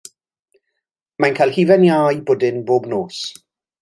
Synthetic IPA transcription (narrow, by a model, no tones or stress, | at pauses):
mankʰajlˠhivɛnjaːjboːdɪnboːbnoːs